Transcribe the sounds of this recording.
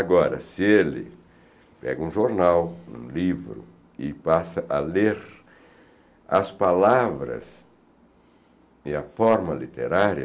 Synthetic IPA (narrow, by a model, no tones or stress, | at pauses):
aɡɔɾɐ̰sɪelɪ̰ | pɛ̰ɡɐũʒoɾnawṵ̃livɾʊ̰ | ɪpasɐʔɐleɾ | ɐspalavɾɐ̰s | ɪɐfɔɾmɐlit̪eɾaɾiɐ